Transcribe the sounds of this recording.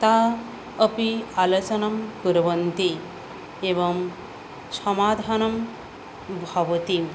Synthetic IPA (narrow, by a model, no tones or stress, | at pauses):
t̪a | ɐpialɐt͡ʃɐnɐmɡuɾɐʋɐnt̪i | eːʋɐm | sɐmaːd̪ʱaːnɐm | bʱɐʋɐt̪im